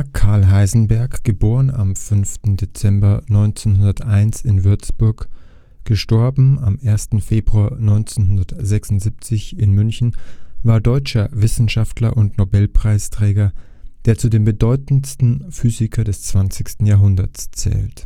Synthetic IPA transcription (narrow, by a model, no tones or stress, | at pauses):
kʰaɐlɦaɪzn̩bɛɐkɡ̥əboːʁəna̰mfʏnftn̩det͡sɛmbɐnɔʏnt͡seːnhʊndɐtʔaɪnsɪnvʏɐt͡sb̥ʊɐk | ɡ̥əʃtɔɐbm̩amʔeːɐstn̩feːbʁuaːɐnɔʏnt͡seːnhʊndɐtz̥ɛksʊntz̥ip̚t͡sɪçɪnmʏnçn̩vaːɐdɔʏt͡ʃɐvɪsn̩ʃaftlɐʔʊntnobɛlpʁ̥aɪstʁ̥ɛːɡɐ | d̥eːɐt͡sudeːmbədɔʏtn̩stn̩fyːzɪkʰɐdɛst͡sv̥ant͡sɪçstn̩jaːɦʊndɐt͡st͡sɛ̰ːlt